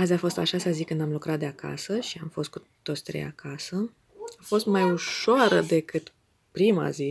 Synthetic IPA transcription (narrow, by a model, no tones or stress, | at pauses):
azʲafo̞st̪aʃasazikɨnd̪amlukɾat̪̚d̪eaka̰səʃiamfo̞st̪̚ku | t̪ot̪sʲt̪ɾeja̰kʰasə | afo̞st̪majuʃoaɾəd̪e̞kɨt̪ | pɾima̰zi